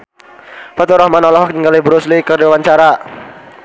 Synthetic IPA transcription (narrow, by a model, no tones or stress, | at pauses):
fat̪uɾɔhmanɔlɔɦɔkniŋɡalibɾuslikərd͡ʒawaɲt͡ʃaɾa